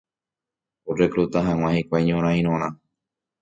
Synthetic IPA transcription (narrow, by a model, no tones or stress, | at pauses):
orekɾut̪aɦãw̃ʷãhikʷajɲõɾ̃ãĩɾ̃õɾ̃ã